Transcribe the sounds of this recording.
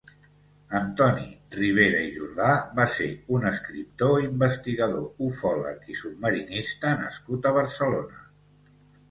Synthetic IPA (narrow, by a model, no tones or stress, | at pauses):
ənt̪ɔnḭriβ̞eɾəiʒuɾðaβaseunəskɾip̚t̪oimbəst̪iɣəðoufɔlə̰kisub̚məɾinist̪ənə̰skut̪əβəɾsəlonə